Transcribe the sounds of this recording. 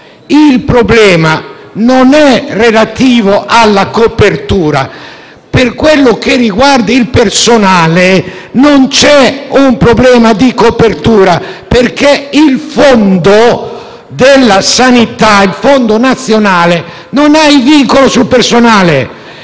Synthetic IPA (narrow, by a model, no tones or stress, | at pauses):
ilpɾoblɛːma | nonɛrelat̪iːvoʔalːakopert̪uːɾa̰ | perkwelːok̟erːiɡward̪iilpersonaːlenont͡ʃɛumpɾoblɛːmad̪ikopert̪uːɾaperkeilfond̪o | d̪elːasanit̪ailfond̪onat̪sːjonaːle | nonaiviŋkolosulpersonaːle